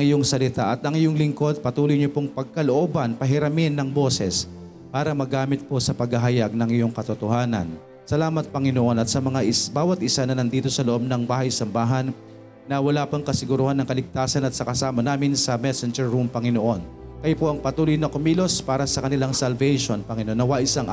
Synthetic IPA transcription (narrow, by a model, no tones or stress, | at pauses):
ɐŋɪjoŋsɐlɪt̪aʔɐt̪ɐŋɪjoŋlɪŋko̞d̪̚pɐt̪uːlojɲopoŋpɐɡ̚kɐloʔoːbɐnpɐɦɪɾɐmɪnːɐŋbo̞ːsɛs | paːɾɐmɐɡaːmɪt̪̚po̞sɐpɐɡhɐɦɐjaɡ̚nɐŋɪjo̞ŋkɐt̪ot̪ohaːnɐ̰n | sɐlaːmɐt̪̚pɐŋɪnoʔo̞nɐt̪̚sɐmɐŋaʔɪbaːwɐt̪̚ʔɪsanɐnɐnd̪iːt̪o̞sɐloʔo̞b̚nɐŋbaːhɐjsɐmbaːɦɐnː | ɐwɐlaːpɐŋkɐsɪɡʊɾʊhanːɐŋkɐlɪɡ̚t̪aːsɐnɐt̪̚sɐkɐsaːmɐnaːmɪnsɐmɛsɛnd͡ʒɛɹːumpɐŋɪnoʔo̞nkɐjopo̞ʔɐŋpɐt̪uːlojnɐkomilo̞spaːɾɐsɐkɐnɪlaŋsɐlvɛjʃonpɐŋɪnʔonːɐwaʔɪsaŋ